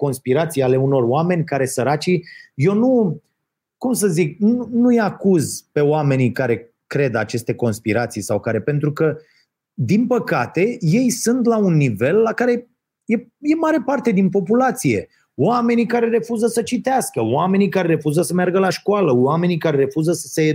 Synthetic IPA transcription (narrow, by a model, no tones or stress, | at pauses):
ko̞nspiɾat̪sijale̞uno̞roame̞nʲkaɾe̞səɾat͡ʃije̞wnu | kumsəzik̚nunujakuzpe̞oame̞nikaɾe̞ | kɾe̞d̪at͡ʃe̞st̪e̞ko̞nspiɾat̪sijsawkaɾe̞pe̞nt̪ɾukə | d̪inpəkat̪e̞je̞jsɨnt̪launːive̞lːakaɾe̞ | je̞je̞maɾe̞part̪e̞d̪inpo̞pulat̪sije̞ | oame̞nikaɾe̞ɾe̞fuzəsət͡ʃit̪easkəwame̞nikaɾe̞ɾe̞fuzəsəmearɡəlaʃkoaləame̞nikaɾe̞ɾe̞fuzəsə̥se